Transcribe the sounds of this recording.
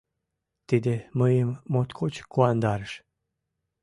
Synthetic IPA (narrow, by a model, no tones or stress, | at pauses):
t̪id̪eməjemːot̪kʰot͡ɕkuand̪aɾəʃ